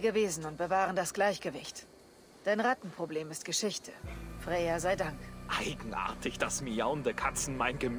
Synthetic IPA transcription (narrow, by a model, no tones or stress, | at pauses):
ɡəveːzn̩ʊnt̚b̥əvaːʁəndasɡ̥laɪçɡ̥əvɪçt | d̥aɪnʁatn̩pʁ̥obleːmɪst̚ɡ̥əʃɪçtʰəfʁ̥ɛːɐzaɪdaŋkʔaɪɡŋ̩ʔa̰ɐtʰɪçd̥asmiaʊndəkʰat͡sn̩maɪnɡəm